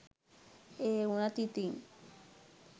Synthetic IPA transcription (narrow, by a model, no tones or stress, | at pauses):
eunat̪it̪iŋ